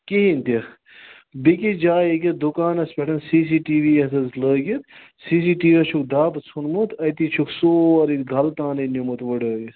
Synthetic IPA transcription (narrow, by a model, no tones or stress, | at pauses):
kiɦinʲt̪i | bikid͡ʒaːekʲɐd̪ukaːnɐspʲɛʈɐnsiːs̬iːʈiːʋiɐsɐzləːɡʲit̪ | siːs̬iːʈiːʋɐt͡ʃʰukd̪aːpɐt͡sʰunmut̪ʰɐjt̪it͡ʃʰuksoːɐɾit̪ɡʱɐlt̪ãːnɐnumut̪ʋəɖəːɡʲi